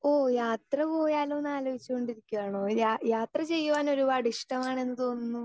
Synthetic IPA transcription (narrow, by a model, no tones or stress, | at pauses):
oːjaːt̪rɐpo̞ːjaːloːnaːloːit͡ɕːuko̞ɳɖiɾikʲːuʋaːɳoːjaːjaːt̪rɐt͡ɕe̞jːuʋaːno̞ɾubaɖiʂʈɐmaːɳe̞nːɨt̪o̞ːnːunːu